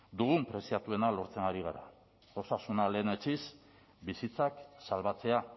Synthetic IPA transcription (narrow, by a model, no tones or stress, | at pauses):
d̪uɣumpɾe̞siat̪ue̞nalo̞ɾt͡se̞ŋɡaɾiɣ̞aɾa̰ | ɣosasunale̞ːnet͡sis | bisit͡saksalβat͡se̞a